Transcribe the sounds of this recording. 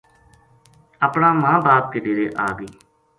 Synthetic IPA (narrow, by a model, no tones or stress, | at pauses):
aːpɳãːmãːbaːp̚keɖeːɾeːʔaːɡiː